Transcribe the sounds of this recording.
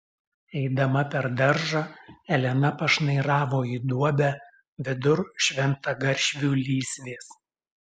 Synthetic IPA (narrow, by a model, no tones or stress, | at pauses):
ɛɪd̪ɐmɐpʲɛɾd̪ɐɾʒɑɛlʲɛnɐpɐʃnɐɪɾɑːʋoːiːd̪uɔbʲæ | ʋʲɪd̪ʊɾʃʲʋʲɛnt̪ɐɡɐɾʲʃʲʋʲuːlʲiːsʲʋʲeːs